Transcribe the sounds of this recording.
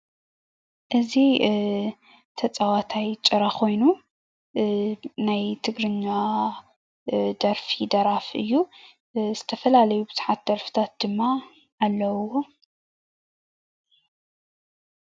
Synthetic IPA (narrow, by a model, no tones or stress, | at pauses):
ʔɨzi | t̪ʰɐt͡sʼawat̪ʰajt͡ʃʼɨɾakʰo̞jnu | najt̪ʰɨɡɾɨɲːa | d̪ɐɾfid̪ɐɾafɨ̰jːu | z̥ɨt̪ʰɐfɐlalɐjubɨzħat̪̚d̪̥ɐɾfɨ̥t̪ʰat̪̚d̪̥ɨmːaː | lːɐwwo